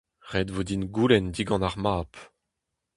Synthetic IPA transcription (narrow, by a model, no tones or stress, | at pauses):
ʁɛd̪vod̪inɡulɛnd̪iɡɑ̃naʁmaːp